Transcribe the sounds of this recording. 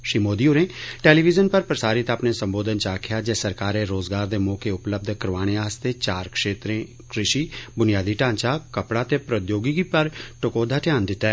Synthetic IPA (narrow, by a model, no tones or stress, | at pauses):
ʃɾiːmoːd̪iːoɾẽːʈeːliːʋɪzənpəɾpɾəsaːɾɪt̪aːpneːsə̃mboːd̪ʱənt͡ʃaːkʰɪjaːd͡ʒeːsəɾkaːɾeːɾoːzɡaːɾd̪eːmɔːkeʊpləb̚d̪ʱkəɾʋaːɽ̃eaːst̪eːt͡ʃaːɾkʃeːt̪ɾẽː | kɾɪʃiːbʊnijaːd̪iːʈãːɲt͡ʃaːkəpɽaːt̪eːpɾəd̪joːɡiɡipəɾʈʊkoːd̪ʱaːʈɪjãːnd̪ɪt̪ːɛː